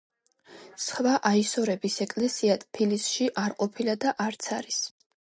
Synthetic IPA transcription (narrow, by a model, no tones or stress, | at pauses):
sχvaʔaisɔɾɛbisɛkʼlɛsiat̪ʼpʰilisʃiʔaɾqʼɔpʰilad̪aʔaɾt̪sʰaɾis